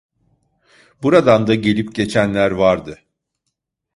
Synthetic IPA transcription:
buɾad̪and̪aɟe̞lʲipɟe̞t͡ʃʰænlʲæɾvaɾd̪ɯ

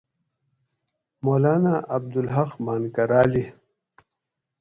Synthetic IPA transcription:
moːlaːnaɐb̚d̪ulɦaqmaːnkɐɾaːli

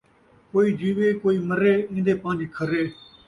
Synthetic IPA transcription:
koːiːd͡ʒiːʋeːkoːiːməɾeːĩːnd̪eːpãːnd͡ʒekʰəɾeː

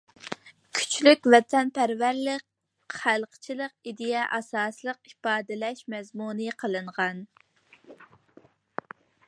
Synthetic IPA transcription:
kʲʰy̥t͡ʃʰlykʲvɛt̪ʰɛnpʰæɾvæɾlɪk | χælˠqʰə̥t͡ʃʰilˠəqid̪ɪjɛʔɑsɑːslˠəqipɑːd̪ɨlɛʃmɛzmunɨqʰəlˠɨɴʁɑn

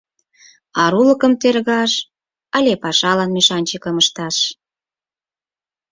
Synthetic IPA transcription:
ɑɾulə̆kə̆mt̪erɣɑʃ | ɑlʲepɑʃɑlɑnmeʃɑnʲt͡ɕəkəməʃt̪ɑʃ

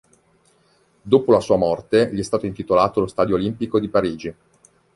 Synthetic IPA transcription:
d̪oːpolasuːamɔrt̪eʎiɛst̪aːt̪oint̪it̪olaːt̪olost̪aːd̪joːlimpikod̪ipaɾiːd͡ʒi

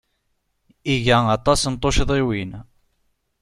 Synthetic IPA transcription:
iʝæɑt̪ˤɑsənt̪ˤːoʃðˤiwin

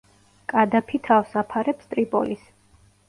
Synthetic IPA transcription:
kʼad̪apʰit̪ʰavsapʰaɾɛpst̪ʼɾipʼɔ̰lis

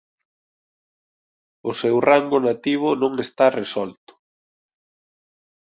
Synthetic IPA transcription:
ʊsɛwraŋɡʊnat̪iβ̞ʊnõŋest̪aresɔlt̪ʊ̥

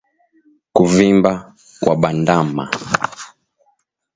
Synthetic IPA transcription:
kuvimba | kwaɓandama

